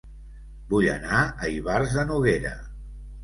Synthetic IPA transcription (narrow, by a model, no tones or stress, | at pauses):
buʎə̰naəiβarzðənuɣeɾə̰